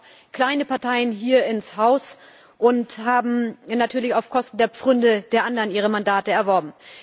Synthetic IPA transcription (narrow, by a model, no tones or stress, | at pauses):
kl̥aɪnəpaɐtʰaɪənɦiːɐɪnshaʊs | ʔʊnthaːbm̩natʰyːɐlɪçaʊfkʰɔstn̩deːɐp͡fʁ̥ʏndəd̥eːɐʔandəʁənʔiːʁ̞əmandaːtəɛɐvɔɐbm̩